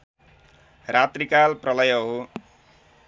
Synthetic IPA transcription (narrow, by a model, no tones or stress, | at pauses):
rat̪rikalprʌlʌjʌɦo